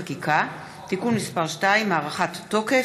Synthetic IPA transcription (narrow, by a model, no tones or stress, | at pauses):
akikʰa | tikunmispaʁʃtaimːaːʁaχat̪ːo̞ke